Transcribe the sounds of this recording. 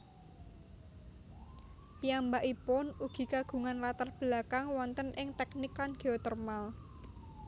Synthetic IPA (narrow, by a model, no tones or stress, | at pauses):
piambaʔipʊnuɡ̥i̤kaɡ̥ṳŋanlat̪arb̥lakaŋwɔnt̪ənʔɪŋt̪ɛknɪklanɡ̥e̤ɔt̪ɛrmal